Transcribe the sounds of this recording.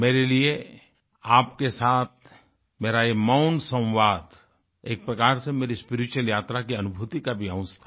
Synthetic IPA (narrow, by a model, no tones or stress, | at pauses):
meːɾelie | aːpkesaːt̪̚ʰ | meːɾajemaʊnsə̃w̃ʋaːd̪ | eːk̚pɾɐkaːɾsemeːɾispɪɾɪt͡ʃuwəljaːt̪ɾakiɐnʊbʱut̪ikabʱiãʊ̃t͡ʃt̪ʰa